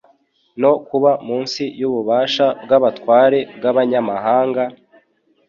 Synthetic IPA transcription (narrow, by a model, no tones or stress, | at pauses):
no̞kuβamuːnsijuβuβaːʃab̚ɡaβatkwaːɾe̞bɡaβaɲamaɦaːŋɡa